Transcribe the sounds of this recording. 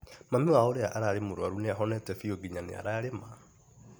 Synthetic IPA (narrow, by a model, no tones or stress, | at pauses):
mamiwaoɾeaʔaɾaːɾemoɾwaɾuneaɦɔnɛtɛfioɡiɲanea̰ɾaːɾema